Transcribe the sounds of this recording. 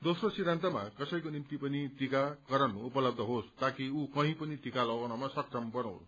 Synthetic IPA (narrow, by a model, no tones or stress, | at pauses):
d̪osrosid̪ɾʱant̪ʌmakʌsʌjkonimt̪ipʌnit̪ikakʌɾʌnuupʌlʌb̚d̪ʱʌɦost̪akiukʌɦĩpʌnit̪ikalʌɡʌɽ̃ʌmasʌk̚t͡sʌmbʌɾãw̃l